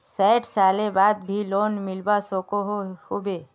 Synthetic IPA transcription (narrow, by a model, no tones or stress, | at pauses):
sɛːʈʰsaːlebaːd̪̚bʱiloːnmɪlbasoːkoɦhʊbeː